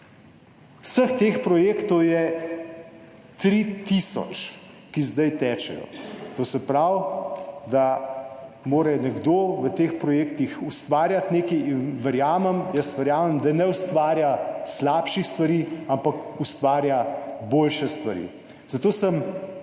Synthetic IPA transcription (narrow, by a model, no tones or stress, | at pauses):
wsəxt̪eːxpɾɔjeːkt̪ɔwjɛ | t̪ɾit̪isɔ̰t͡ʃ | kizd̪ajt̪ɛːt͡ʃɛ̰jɔ̰t̪osɛpɾawd̪a | moːɾɛnɛɡd̪oːʋət̪expɾɔjeːkt̪ixust̪ʋaːɾjat̪neːkɛjinʋɛɾjaːmɛmjəsʋɛɾjaːmɛmd̪anɛust̪ʋaːɾjaslaːpʃixst̪ʋaɾiːampakust̪ʋaːɾjaboːlʃɛst̪ʋaɾḭː | z̥at̪oːsəm